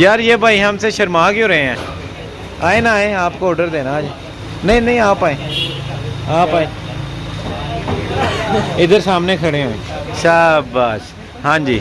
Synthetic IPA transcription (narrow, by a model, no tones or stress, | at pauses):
jaːɾjeːbʱaːiːɦəmseːʃəɾmaːkjõːɾəɦẽːɦɛ̃ː | aːeːnaaːẽːaːpkoːɾɖəɾd̪eːnaːd͡ʒeː | nəĩnə̃ĩːaːpaːẽː | aːpaːeː | ɪd̪əɾsaːmneːkʰəɽeːɦoːḛ̃ːʃaːbaːʃ | ɦãːɲd͡ʒḭː